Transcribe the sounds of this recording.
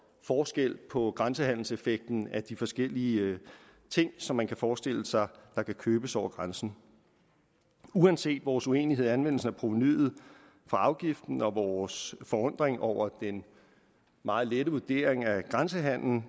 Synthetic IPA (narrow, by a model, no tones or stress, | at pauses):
fɒːsɡ̥el̰pʰɒ̽ɡ̥ʁansəɦæn̰l̩se̝feɡ̥̚d̥n̩æd̥ifɒ̽sɡ̥el̰iə | t͡sʰe̝ŋ̰sɒ̽mːænkʰæfɒːsd̥e̝l̰əsɑ̈ɪd̥ɑ̈kʰækʰøːb̥əsɒʊ̰ɐɡ̥ʁansn̩ | uænse̝̰ːd̥ʋɒːsue̝̰ːniɦḛænʋen̰l̩sn̩æɐpʰʁo̝feny̰ːð̩ˠ | fɑ̈ɑ̈ʊɡ̥ifd̥n̩ɒ̽ʋɒːsfɒ̽ɔ̽n̰d̥ʁeŋɒʊ̰ɐd̥en | mɑ̈ːð̩ˠleɾəʋuɐd̥e̝ːɐ̰eŋæɡ̥ʁansəɦæn̰ln̩